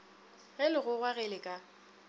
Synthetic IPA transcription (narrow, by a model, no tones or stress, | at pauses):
ɣɛlɪɣʊɣwaɣɛlɪkʼa